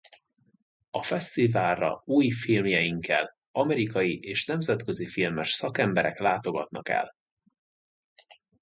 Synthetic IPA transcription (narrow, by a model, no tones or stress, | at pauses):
ɒfɛst̪ivaːrːɒ̰uːjfilmjɛjiŋkʰɛ̰l | ɒmɛɾikɒjiʔeːʃnɛmzɛt̪køzifilmɛʃsɒkɛmbɛɾɛ̰klaːt̪o̞ɡɒt̪nɒkɛ̰l